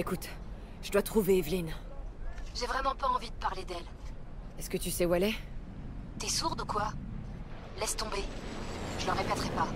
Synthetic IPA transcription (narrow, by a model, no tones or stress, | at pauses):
ekut̪ | ʒəd̪wat̪χuveːvlin | ʒevʁɛmɑ̃paɑ̃vid̪əpaʁled̪ɛl | ɛskət̪ysɛuɛlɛ | t̪ɛsuʁd̪ukwa | lɛst̪ɔ̃be | ʒ̥əlɑ̃ʁepɛt̪χɛpa